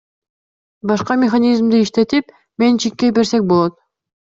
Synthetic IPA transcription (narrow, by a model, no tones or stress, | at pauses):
bɑʃqɑmʲeχanʲizmd̪iːʃt̪e̞t̪ip | me̞nt͡ʃʰik̚kːebe̞ɾsek̚bo̞lˠot̪̚